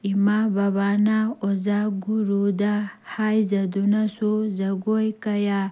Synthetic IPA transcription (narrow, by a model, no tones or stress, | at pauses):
imabaβanaɔzaɡuɾud̪ahajzad̪unasɔzaɡɔjkaja